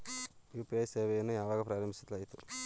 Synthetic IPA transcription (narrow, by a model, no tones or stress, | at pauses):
juːpiɐjseːʋeːjɐnːuaːʋaːɡapɾaːɾɐmbʱit͡ʃːɐt̪lɐjit̪u